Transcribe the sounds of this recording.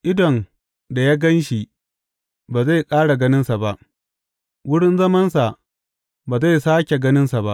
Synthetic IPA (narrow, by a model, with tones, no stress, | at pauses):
ʔɪ˦dɔ˨n | da˨ja˦ɡɐ˦nʃi˨ | baː˨za˦˨jkʼaː˦ɽa˨ɡɐ˦nɪ˦nsa˨ba˦ʔ | wʊ˦ɽɪ˦nzɐ˦mɐ˦nsa˨ | baː˨za˦˨jsaː˦kʲe˨ɡɐ˦nɪ˦nsa˨ba˦ʔ